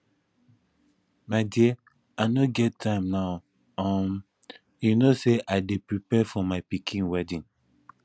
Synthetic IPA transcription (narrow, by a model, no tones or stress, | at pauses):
maɪdie | aɪnoɡɛtʰːãɪ̃mnaʊ | ãm | junoseʔaɪdepɹipɛfɔmaɪpikʰĩnwɛdĩn